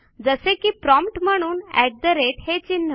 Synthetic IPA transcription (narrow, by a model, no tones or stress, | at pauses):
d͡zəsekiːpɾɔmpʈm̤əɽ̃uːnæ̰ʈ̚d̪əɾeʈhet͡ɕinːə